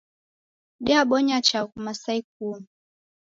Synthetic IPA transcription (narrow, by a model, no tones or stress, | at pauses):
ɗiaɓɔɲat͡ʃakumasaik̚u